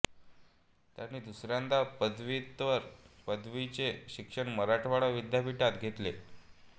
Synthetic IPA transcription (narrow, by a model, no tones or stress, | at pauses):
t̪janːiːd̪usɾjand̪apəd̪ʋit̪ʋəɾpəd̪ʋit͡seɕikʂəɳməɾaʈʰʋaɽaʋid̪japiʈat̪ɡʱet̪le